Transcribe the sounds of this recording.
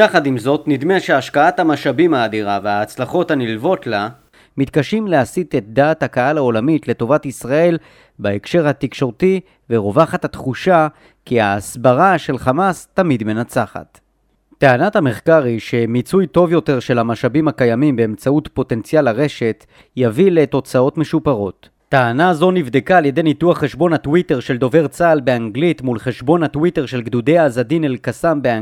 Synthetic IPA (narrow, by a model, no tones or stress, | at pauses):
jaχadimzo̞tnid̪meʃeaʃkaathamaʃabimaːdiʁaveaːt͡slaχo̞thanilvo̞tla | mit̪kaʃimleasit̪et̚d̪aːthakaalao̞lamitle̞to̞vatisʁae̞l | baekʃe̞ʁhatikʃo̞ʁti | veʁo̞vaχat̪hatχuʃa | kiaːsbaʁaʃe̞lχamastamid̪me̞nat͡saχa̰t | teanathame̞χkaʁiʃe̞mit͡sujto̞vjo̞te̞ʁʃe̞lhamaʃabimakajamimbe̞ːmt͡sautpo̞te̞nt͡sijalaʁe̞ʃe̞t | javileto̞t͡sao̞tme̞ʃupaʁo̞t | taanazo̞nivd̪ekaːlje̞denituaχːe̞ʃbo̞natwite̞ʁʃe̞ldo̞ve̞ʁt͡salbe̞aŋɡlitmulχe̞ʃbo̞nhatwite̞ʁʃe̞lɡd̪ud̪ejaːzadinelkasambea